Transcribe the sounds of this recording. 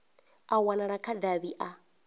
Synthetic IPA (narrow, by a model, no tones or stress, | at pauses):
awanaɺakʰadaβiʔa